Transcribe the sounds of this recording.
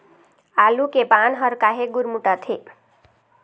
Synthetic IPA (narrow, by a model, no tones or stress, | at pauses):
alukebanɦəɾkaɦeɡuɾmuʈat̪ʰe